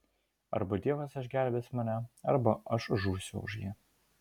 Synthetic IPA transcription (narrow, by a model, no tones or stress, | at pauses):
ɐ̰ɾbɐd̪ʲiɛʋɐsɐʃɡʲæˑlʲbʲeːsmɑːnʲɛɐ̰ɾbɐʔɐʃʒuːsʲʊ̰ʊ̰ʒjiː